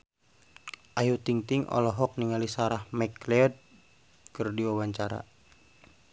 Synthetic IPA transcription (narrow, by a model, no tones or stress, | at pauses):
ʔajut̪iŋt̪iŋʔɔ̰lɔɦɔk̚niŋalisaɾahmɛklɛɔd̪̚ | kɨrdiwawaɲt͡ʃaɾa̰